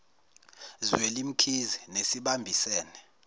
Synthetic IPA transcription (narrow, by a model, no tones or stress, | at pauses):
zwelim̩kʰizinesiɓambʱisɛːnɛ